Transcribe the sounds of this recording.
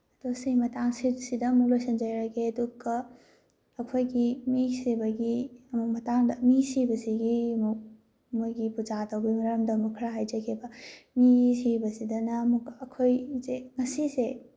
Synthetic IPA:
ɐtosimɐtaŋsisidɐmuk̚lojsɐnd͡ʒɐjɾɐkeɐduɡɐː | kʰojɡimisebɐɡiɐmuk̚mɐtaŋdɐmisibɐsiɡiɐmuk̚ | mojɡipud͡ʒatɐwbimɐɾɐmdɐɐmukʰɐɾaɦajd͡ʒɐkʰebɐmisibɐsidɐnɐːmukːkʰojzeŋɐsise

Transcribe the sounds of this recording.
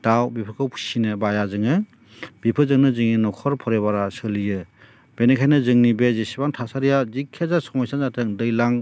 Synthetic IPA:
d̥awbipʰɯkʰɯwpʰu̥sinɯbajazɯŋɯ | bipʰɯzɯŋnɯzɯŋninɔkʰɔɾpʰɔɾebaɾasɯlijɯ | b̥enekʰajnɯzɯŋnibezesibaŋtʰasaɾijazikʰːezasɔmɔjsanzatʰɯŋdɯjlaŋ

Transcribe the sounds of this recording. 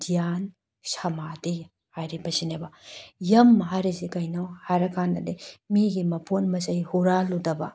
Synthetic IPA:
dijan | sɐmadij | hajɾibɐsinebɐjɐmːɐɦaɾisikɐjnawhajɾɐkʰandɐdemiɡimɐpʰonmɐsɐjhuɾaludɐbɐ̰

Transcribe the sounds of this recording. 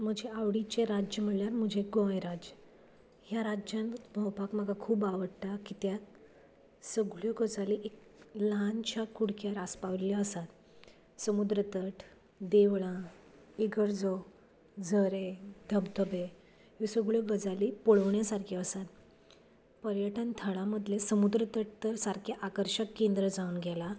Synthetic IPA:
m̤əd͡ʑeaʋɽit͡ɕeɾad͡ʑjəm̤əɽljaɾm̤əd͡ʑʱeɡojɾad͡ʑə | ɦjaɾad͡ʑãnməwpakm̤əɡʱakʰuːbaʋəɽt̪akit̪jat̪̚ | səɡɭjɔɡəd͡zaliʔeklant͡ɕakuɽkjaɾaspaʋɾljəəsat̪ | səmud̪ɾət̪əʈʰ | d̪eʋɭã | iɡəɾd͡zo | d͡zʱəɾed̪ʱəbd̪ʱəbe | jisəɡɭjɔɡəd͡zaliːpoɭəʋɳjasaɾkʰeəsat̪̚ | pəɾjəʈənt̪ʰəɭaməd̪ʱlesəmud̪ɾət̪əʈ̚t̪əɾsaɾkʰjaʔakəɾɕəkːend̪ɾəd͡zaunɡʱɛla

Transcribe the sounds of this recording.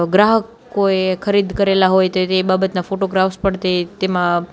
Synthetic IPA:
ɡɾaɦək | oekʰəɾid̪kəɾelaɦojt̪oebabət̪nafoʈoɡɾafspəɽt̪et̪emã

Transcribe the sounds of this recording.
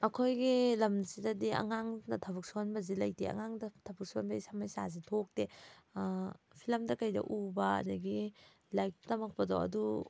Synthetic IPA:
ɐkʰojɡilɐmsidɐdiɐ̰ŋaŋnɐtʰɐbɐk̚suonbɐzilɐjtḛɐ̰ŋaŋdɐtʰɐbɐk̚suonbɐisamajsa̰zitʰok̚de | pʰilɐmdɐkɐjdɐ̰ʔubɐɐ̰dɐɡi | lajk̚tɐmɐk̚pɐda̰wɐ̰du

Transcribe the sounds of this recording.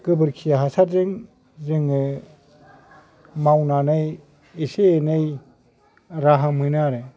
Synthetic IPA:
ɡ̥ɯbɯɾkʰijaɦasaɾzɯŋ | zɯŋɯ | mawnanɯj | iseːnɯj | ɾaɦamɯnaɾɯ

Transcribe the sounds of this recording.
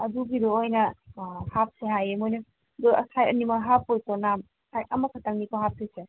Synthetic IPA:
ɐduɡidoojnɐhap̚seɦajemojnɐ | dɔɐ̰sʰajɐnimaɦapːojkɔnam | hajɐmɐkʰataŋnikoɦap̚sese

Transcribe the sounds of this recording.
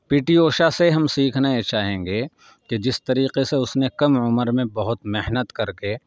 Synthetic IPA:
piːʈioːʃaseɦɐmsiːkʰnaet͡ʃaːɦẽːŋɡe | ked͡ʒɪst̪ɐɾiːqeseʊsnekɐmʊməɾmẽbɐɦʊt̪meɦnət̪kɐɾke

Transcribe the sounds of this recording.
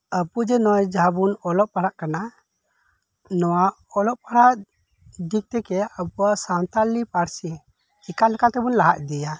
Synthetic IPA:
əpud͡ʒɛnɔjd͡ʒabunɔlɔʔ̚paɽaʔkana | nɔwaʔɔlɔʔ̚paɽaʔ | d̪ik̚t̪ɛkɛəbuaʔsant̪alipaɾsi | ikalɛkat̪ɛbunlaɦaʔd̪ija

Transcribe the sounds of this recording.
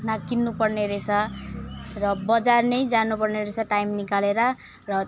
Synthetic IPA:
nakinːupʌrneɾesʰʌ | rʌbʌd͡zarnʌjd͡zanupʌrneɾesʰaʈajmnikaleɾʌ | rʌ

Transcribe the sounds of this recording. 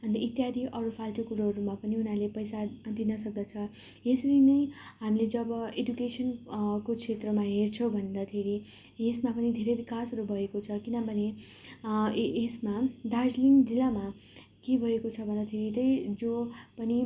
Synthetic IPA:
ʌnd̪it̪jad̪ʱiʔʌɾupʰalʈʌkuɾʌɾumapʌniunalepʌjsad̪inʌsʌk̚d̪ʌt͡sʰʌ | esʌɾinʌjɦamiled͡zʌbʌedukesʌnkokʰet̪rʌmaɦert͡sʰʌwbʱʌnd̪at̪ʰeɾi | esmapʌnid̪ʱeɾʌjbikasʌɾubʱʌekot͡sʰʌkinʌbʱʌne | esmad̪ard͡zliŋd͡zilːama | kebʱʌekot͡sʰʌbʱʌnd̪at̪ʰeɾit̪ʌjd͡zopʌni

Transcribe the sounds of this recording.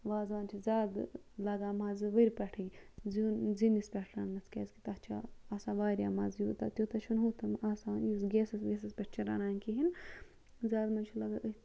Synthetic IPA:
ʋaːzʋaːnt͡ʃʰizʲaːd̪ | lɐɡaːmaːzɨʋɐɾʲpʲɐʈʰizunzinispʲɛʈʰɾaːnːɐt͡s̪ʰkʲḛːzkit̪ɐt͡ʃʰa̰asãːʋaːɾʲjaːmazjuːt̪at̪ʲut̪ɐt͡ʃʰunɦut̪ʰɐmaːsaːjusɡeːsɐsʋʲes̬ɐspʲɛʈ̚ʰt͡ʃʰiɾa̰naːnkiɦin | zaːd̪mɐt͡ʃʰilɐɡaɨ

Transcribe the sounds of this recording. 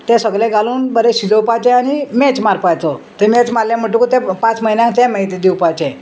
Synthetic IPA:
t̪ɛ̃səɡlɛ̃ɡaluːnbəɾɛɕid͡zəwpajt͡ɕɛanimɛt͡smaɾpajt͡s̪ɔt̪əmɛt͡smalːjãm̤əʈ̬ukut̪ɛ̃pãt͡sməɦinjãŋkt̪ɛ̃məit̪id̪iwpajt͡ɕɛ̃

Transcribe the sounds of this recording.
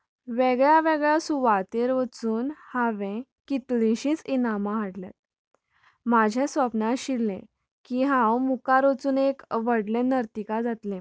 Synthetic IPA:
ʋeɡɭjaʋeɡɭjasuʋat̪eɾʋət͡suːnhaʋẽkit̪lĩɕĩt͡sinamãɦaɽla̰t̪ | mad͡ʑʱẽsʋəpnaɕilːḛ̃ | kiɦãwmukaɾot͡suːnekʋəɽlẽnəɾt̪ikad͡zat̪lẽ

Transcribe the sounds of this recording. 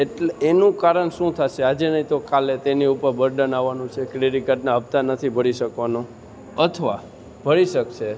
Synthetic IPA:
eʈleːnũkaɾəɳʃũt̪ʰaʃead͡ʒenəɦĩt̪okalet̪eniupəɾbəɾɖənaʋːanũt͡ʃʰekɾeɾikəʈnaəbt̪anət̪ʰibʱəɽ̃iʃəkʋanũ | ət̪ʰʋa | bʱəɽiʃəkʃʰe

